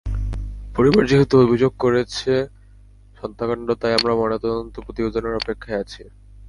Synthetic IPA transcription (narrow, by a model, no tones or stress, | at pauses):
poɾiboɾd͡ʑiɦit̪oobʱid͡ʑoɡ̚koɾet͡ɕʰe | ʃɔnt̪ʰakaɳɖot̪ajamɾamɔnet̪ɔd̪ont̪opɾot̪ibed̪ʱonaɾɔpekʰːaeat͡ɕʰi